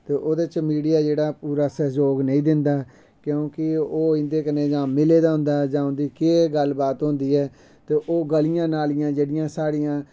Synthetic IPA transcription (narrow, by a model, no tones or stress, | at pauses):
t̪eːʔoːd̪et͡ʃmiːɖijaːd͡ʒeːɽaːpuːɾaːsəd͡ʒoːɡnəĩːd̪ɪnd̪aː | kjõːkɪoːɪ̃nd̪eːkəneːd͡ʒãːɪleːd̪aːɦʊ̃nd̪aːd͡ʒãːʊ̃nd̪iːkeːɡəlbaːt̪ɦʊ̃nd̪iːɛː | t̪eːʔoːɡəlɪjãːnaːlɪjãːd͡ʒeːɽɪjãːsaːɽɪjãː